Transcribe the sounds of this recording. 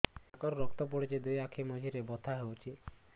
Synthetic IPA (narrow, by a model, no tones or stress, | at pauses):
akɔɾɔɾɔkt̪ɔp̬ɔɽit͡ʃed̪ujakʰemɔd͡ʒʱiɾebɔt̪ʰaɦewt͡ʃʰi